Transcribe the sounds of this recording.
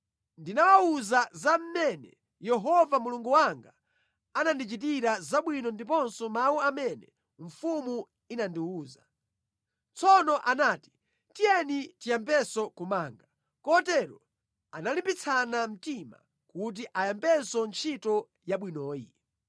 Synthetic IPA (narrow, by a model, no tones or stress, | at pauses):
ndinawauzazam̩mɛnɛ̰ | jɛɦɔvamuluŋɡuwaŋɡa | anandit͡ʃit̬iɾazaɓwinɔndip̬ɔnsɔmauamɛnɛ | ɱ̩fumu | inandiuːza | t͡sʰɔnɔʔanaːti̥ | tijɛnitijampɛsɔkumaːŋɡa | kɔtɛɾɔ | analimpit͡sʰanam̩tima̰ | kut̬iʔajampɛsɔnt͡ʃʰitɔ | jaɓwinɔːjḭ